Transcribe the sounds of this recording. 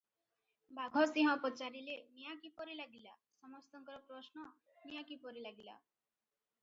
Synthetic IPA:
bʱaɡʱɔsĩɦɔ̃ɔpɔt͡ʃaɾilenijakipɔɾilaɡilasɔmɔst̪ɔŋkɔɾɔpɾɔsnɔ | nijakipɔɾilaɡila̰

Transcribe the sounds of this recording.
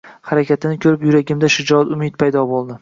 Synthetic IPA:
haɾakʲʰat̪ʰɪnɪkʲʰɵɾɪpjʊɾaɡʲɪmd̪aʃɪd͡ʒɒt̪ʊmɪt̪̚pʰajd̪ɒbolˠd̪ɪ

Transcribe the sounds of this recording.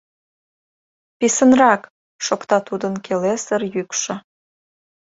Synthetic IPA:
pisənrɑk | ʃokt̪ɑt̪ud̪ənkʰelesərjykʃɤ̆

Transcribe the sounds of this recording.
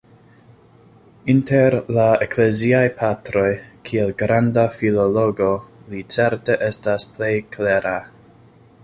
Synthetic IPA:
inteɾlaekle̞ziajpʰatɾo̞jkʰielɡɾandafilo̞lo̞ɡo̞lit͡se̞ɾte̞ʔe̞stasple̞jkʰleɾʔa

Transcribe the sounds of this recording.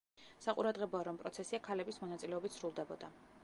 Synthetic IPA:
saqʼuɾad̪ʁɛbɔaɾɔmpʼɾɔt̪sʰɛsiakʰalɛbismɔnat̪sʼilɛɔbit̪sɾulˠd̪ɛbɔd̪a

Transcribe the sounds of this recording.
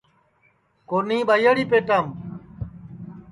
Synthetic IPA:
koːnĩːɓajaɽiːpeːʈaːm

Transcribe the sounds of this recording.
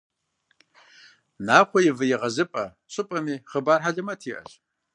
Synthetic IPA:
naːχʷɔjɪvɨjɪʁɐzɨpʼɐ | ɕʼɨpʼɐmiːχəbaːrħaɮɨmɐtʰiːʔɐ̰ɕ

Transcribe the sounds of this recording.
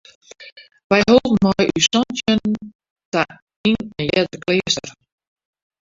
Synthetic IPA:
ʋɛjhoːvənmɔjysɔntjən | ta | inənljɛtərkleːstər

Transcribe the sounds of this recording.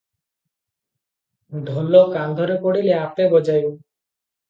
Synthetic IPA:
d̪ʱɔlokand̪ʱɔɾepoɽileapebɔd͡ʒaju

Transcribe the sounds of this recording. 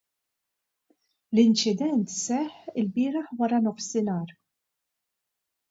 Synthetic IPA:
lɪnt͡ʃɪd̪ɛnt̪sɛħːɪlbɪːɾɐħwɐɾɐnɔfsɪnɐːɾ

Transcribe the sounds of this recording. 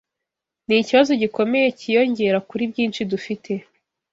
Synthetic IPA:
niciβazo̞ɟiko̞me̞je̞cijo̞ɲɟe̞ɾakuɾibɟiːnt͡ʃidufitʰe̞

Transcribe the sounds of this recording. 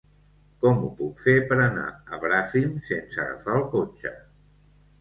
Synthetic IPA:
kɔmupukfepəɾəna̰əβɾafimsensə̰ɣə̰faəlˠkot͡ʃə

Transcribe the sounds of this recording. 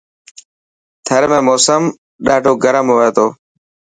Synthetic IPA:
t̪ʰəɾmẽːmoːsəm | ɗaːɖʱoːɡəɾəmɦoːeːt̪oː

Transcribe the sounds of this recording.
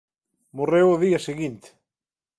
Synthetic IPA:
morewʊðiɐseɣint̪e̥

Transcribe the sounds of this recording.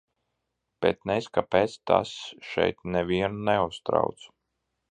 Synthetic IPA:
b̥ɛ̰t̪̚nɛskapeːt̪st̪ʰa̰sʃɛ̰jt̪̚nɛvʲiɛnunɛust̪ɾa̰wt̪s

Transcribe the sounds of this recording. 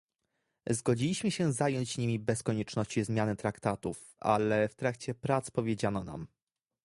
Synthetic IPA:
zɡɔd͡ʑilʲiɕmɘɕɛzajɔɲd͡ʑɲimʲibɛskɔɲɛt͡ʂnɔɕt͡ɕizmʲjanɘt̪ɾakt̪at̪uf | a̰lɛft̪ɾakt͡ɕɛpɾat̪spɔvʲjed͡ʑanɔna̰m

